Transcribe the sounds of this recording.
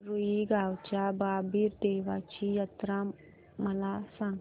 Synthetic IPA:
ɾuiɡʱawt͡ɕjababʱiːɾd̪eʋat͡ɕiːjət̪ɾa | məlasãŋɡ

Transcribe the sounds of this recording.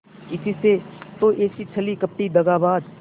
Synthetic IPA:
ɪsiset̪oːʔeːsit͡ʃʰɐlikəp̚ʈid̪ɐɡaːbaːd̪

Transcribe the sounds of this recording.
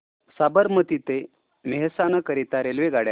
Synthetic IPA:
sabəɾmət̪it̪e | meɦsanəkəɾit̪aɾelʋeɡaɽja

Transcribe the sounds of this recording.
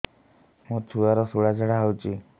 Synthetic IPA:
mũt͡ʃʰuaɾɔsuɽad͡ʒəɽaɦwt͡ʃʰi

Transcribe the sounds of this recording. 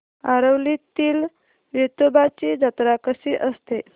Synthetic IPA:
aɾəwlit̪iːl | ʋet̪obat͡ɕiːd͡ʑat̪ɾakəsiʔəst̪e

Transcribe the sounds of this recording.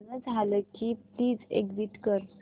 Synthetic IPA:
nəd͡zʱaləkit̪iːd͡zḛɡd͡ziʈkəɾ

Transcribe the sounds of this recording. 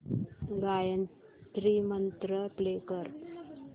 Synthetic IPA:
ɡajən | t̪ɾimənt̪ɾəplekəɾ

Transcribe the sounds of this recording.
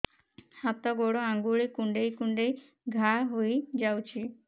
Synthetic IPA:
hat̪ɔɡoɽoaŋɡuɭikuɳɖejkuɳɖej | ɡʱaɦojd͡ʒawt͡ʃʰi

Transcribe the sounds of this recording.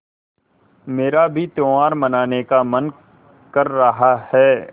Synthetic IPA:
meːɾabʱit̪õːaːɾmɐnaːnekamɐn | kɐɾːɐɦahɛː

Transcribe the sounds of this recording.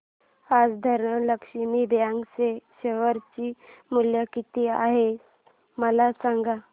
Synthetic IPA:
ad͡zd̪ʱəɾɳələkʂimibʱjãŋɡseɕeʋəɾt͡ɕiːmuljəkit̪iaɦe | məlasãŋɡa

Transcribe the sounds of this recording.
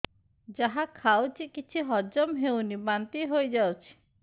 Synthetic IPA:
d͡ʒaɦakʰawt͡ʃʰikit͡ʃʰiɦɔd͡ʒɔmɦewnibant̪iɦojd͡ʒawt͡ʃʰi̥

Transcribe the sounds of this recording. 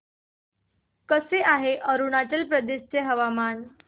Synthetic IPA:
kəseʔaɦeʔəɾunaʈəlpɾəd̪eɕt͡seɦəʋaman

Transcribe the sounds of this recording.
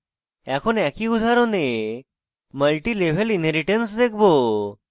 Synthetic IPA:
ɛkʰonɛkiud̪ʱaɾone | məlʈiːleʋ̤əlinɦeɾiʈensd̪ek̚ʰbo

